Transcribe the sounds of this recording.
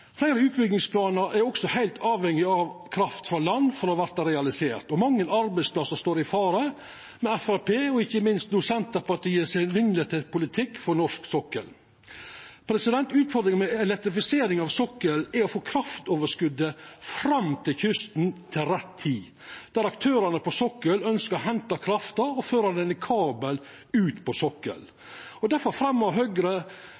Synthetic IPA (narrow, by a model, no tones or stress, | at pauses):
flæɪɾəʉːt̪̚bʏɡnɪŋspʰlɑːnəɾæɾɔksɔhæɪlt̪ɑːʋhɛŋɪɑʋkʰɾɑft̪fɾɑlɑnːfɔɾɔhɑʋæɾt̪əɾɛɑlɪseːɾt̪ɔmɑŋːənɑɾbæɪspʰlɑsəst̪oːɾɪfɑːɾə | mɛæfæɾpʰeːɔɪçːəmɪnst̪nuːsɛnt̪əɾpɑʈiːəsɪnʋɪnlət̪ʰɪpʰʊlɪt̪ʰɪkːfɔɾɳɔʂksɔkːə̰l | pʰɾɛsɪd̪ɛnt̪ʉːt̪fɔd̪ɾɪŋmɛɛlɛk̚t̪ɾɪfɪseːɾɪŋɑʋsɔkːəlæɔfoːkʰɾɑft̪oːʋəʂkʉd̪ːəfɾɑmt̪ʰɪlçʰʏst̪nt̪ʰɪlɾɛt̪ʰːiː | d̪̥æɾɑkt̪ʰøːɾɑnəpɔsɔkːəlœnskəɾɦɛnt̪ɑkʰɾɑft̪əɔføːɾənɛnɪkʰɑːbəl | ʉːt̪pʰɔsɔkːə̰l | ɔd̪æɾfɔɾfɾɑmːɔɦœɡɾə